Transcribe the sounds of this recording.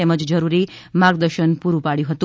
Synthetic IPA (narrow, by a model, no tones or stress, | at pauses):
ɛməd͡ʒd͡ʒəɾuɾimaɡd̪əɾʃənpuɾũpaɽjũɦət̪u